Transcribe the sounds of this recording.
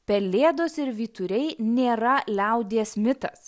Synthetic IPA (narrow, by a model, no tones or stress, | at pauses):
pʲɛlʲeːd̪oːsɪɾʋʲiːt̪ʊɾʲɛɪnʲeːɾɐlʲɛʊd̪ʲeːsmʲɪt̪ɐs